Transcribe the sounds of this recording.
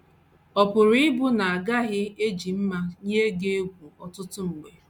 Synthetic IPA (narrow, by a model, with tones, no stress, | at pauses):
ɔ˨pʊ˨ɾi˦ɪ˦bʊ˦na˨a˨ɡa˦ɣɪ˦e˦d͡ʒi˨m̩˦ma˦ɲe˦ɡe˦ɡʷu˨ɔ˨tʊ˦tʊ˦m̩˨ɡ͡be˨